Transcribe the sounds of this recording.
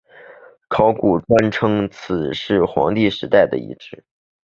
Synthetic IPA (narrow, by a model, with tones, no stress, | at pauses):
kʰɑ˧˥ʊku˨˩ʈ͡ʂwa˥nʈ͡ʂʰɤ˥ŋt͡s̩ʰ˨˩ʂɻ̩˥˩xwɑ̰˧˥ŋt̪i˥˩ʂɻ̩˧˥t̪a˥˩ɪd̪ə̰˩ḭ˧˥ʈ͡ʂɻ̩˥˩